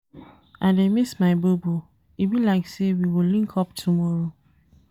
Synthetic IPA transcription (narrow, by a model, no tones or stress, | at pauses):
ãdemismaɪbobo | ibilaɪksewiwɪlĩŋkʰɔp̚tʰumɔɹo